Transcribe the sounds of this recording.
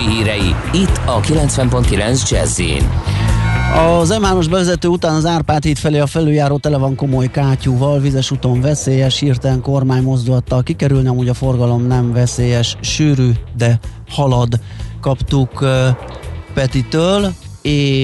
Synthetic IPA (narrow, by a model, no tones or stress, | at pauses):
iɦiːɾɛjḭit̪ːɒkilɛnt̪svɛmpo̞nt̪kilɛ̰nzd͡ʒɛ̰zḭːn | ɒzɛmaːno̞ʒbɛvɛzɛt̪øːut̪aːnɒzaːrpaːt̪hit̪fɛleːɒfɛlːøːjaːɾoːt̪ɛlɛvɒŋko̞mo̞jkaːcuːvɒlvizɛʃut̪o̞ɱvɛseːjɛʃhiːrt̪ɛɛŋko̞rmaːɲmo̞zd̪ulɒt̪ːɒkikɛɾylniɒmuɟɒfo̞rɡɒlo̞mnɛɱvɛseːjɛʃʃyːɾyːd̪ɛ | hɒlɒd̪ | kɒpt̪uk | pɛt̪it̪øːleː